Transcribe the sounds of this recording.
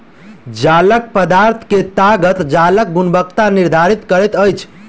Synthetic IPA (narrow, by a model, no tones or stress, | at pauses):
d͡ʒalək̚pəd̪aɾt̪ʰket̪aɡət̪d͡ʒalək̚ɡunbəkt̪aniɾd̪ʱaɾit̪kəɾɛt̪əjt͡ʃʰ